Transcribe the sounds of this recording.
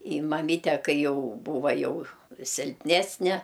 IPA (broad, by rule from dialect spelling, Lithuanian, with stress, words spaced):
ɪ mɐˈmʲiːtʲɛ ˈkɐɪ ˈjɛʊ ˈbuːʋɐ ˈjɛʊ sʲɪlʲpʲˈnʲæːsʲnʲɛ